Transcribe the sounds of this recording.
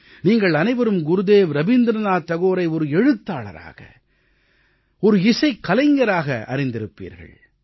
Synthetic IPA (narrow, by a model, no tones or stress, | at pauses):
niːŋɡɐɭɐnɐɪʋɐɾɯmɡʊɾɯðeːʋɾɐʋɪnd̪ɪɾɐnaːt̪ːɐɣoːɾɐɪɔɾɯɛɻɯt̪ːaːɭɐ̰ɾa̰ːɣɐ̰ | ɔɾɯɪsɐɪkːɐlɐɪŋɡɐɾaːɣɐ̰ʔɐ̰ɾɪnd̪ɪɾɯpːḭːɾɣɐ̰ɭ